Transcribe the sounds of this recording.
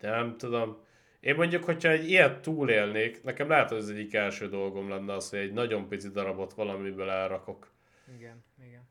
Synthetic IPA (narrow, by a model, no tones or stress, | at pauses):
nɛmt̪ud̪o̞m | eːmːo̞ɲɟokho̞chɒɛɟːiɛt̪ːuːleːlneːknɛkɛmlaɦɛt̪oɒzɛɟːikɛlʃøːd̪o̞lɡo̞mlɛnːɛɒsho̞ɟɛɟnɒɟo̞mpit̪sid̪ɒɾɒbo̞t̪ʋɒlɒmibølɛlɾɒko̞k | iɡɛɡn